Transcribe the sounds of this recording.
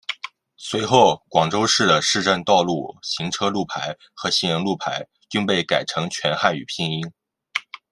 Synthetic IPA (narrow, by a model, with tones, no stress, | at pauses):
swe˧˥ɪxo˥˩ʊkwɑ˨˩ŋʈ͡ʂo˥ʊʂɻ̩˥˩d̪ə˩ʂɻ̩˥˧ʈ͡ʂə˥˧nt̪ɑ˥˧ʊlu˥˩ɕi˧˥ŋʈ͡ʂʰɤ˥lu˥˩pʰa˧˥ɪ | xɤ˧˥ɕi˥˩ŋjɤ˧˥ŋlu˥˩pʰa˧˥ɪ | y˥˧ŋpe˥˩ɪka˨˩ɪʈ͡ʂʰɤ˧˥ŋt͡ɕʰɥɛ˧˥nxa˥˩ny̰˨˩pʰi˥˧ŋi˥ŋ